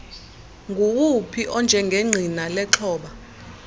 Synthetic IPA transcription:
ŋɡʱuwupʰiʔɔnd͡ʒʱɛŋɡʱeŋ͡ǀʱinalɛǁʰɔːɓa

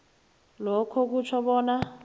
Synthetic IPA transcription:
lɔkʰɔk̬ut͡ʃʰɔɓɔːna

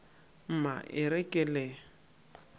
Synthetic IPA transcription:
m̩ma̰ʔɪɾɛkʼɛle

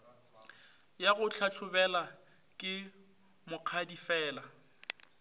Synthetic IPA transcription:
jaɣʊt͡ɬʰaɬʰʊbɛla | kʼɪ | mʊq͡χʰadifɛːla

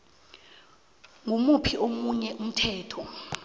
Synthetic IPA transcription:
ŋumupʰiʔomuɲɛʔum̩tʰɛːtʰɔ

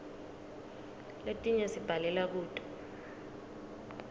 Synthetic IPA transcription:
letʼiɲɛsib̥ʱalɛlak̬uːtʼɔ̥

